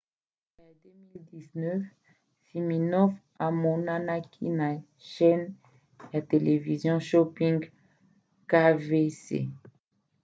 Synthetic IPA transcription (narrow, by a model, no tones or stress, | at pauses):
lad̪ømild̪iznœf | fiminɔf | amɔnanakʰḭna | ʃɛn | at̪elevizjɔ̃ʃɔpĩŋɡ | kavesḛ